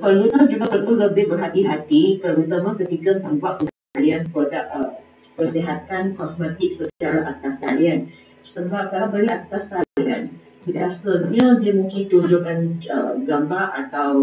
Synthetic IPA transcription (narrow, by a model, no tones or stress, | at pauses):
pəut̪əd͡ʒumap̪ənt̪uləbɪhbərɦat̪iɦat̪ikərut̪əməkət̪ikət̪əmpaʔunakalianpədaʔə | pərsiɦat̪ankɔsmɛt̪ɪk̚səst͡ʃaɾaʔat̪aska̰lian | səbaʔ̚kalawbəɾlaʔt̪askala̰n | id̪asəɲədiəmũŋkɪnt̪ud͡ʒukanə̰ɡambaʔat̪aw